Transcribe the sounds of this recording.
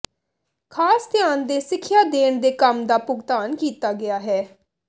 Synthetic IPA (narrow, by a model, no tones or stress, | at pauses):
kʰaːst̪ɪjaːnd̪eːsɪkʰːjaːd̪eːɳd̪eːkəmd̪aːpʊɡt̪aːnkiːt̪aːɡɪaːɦɛː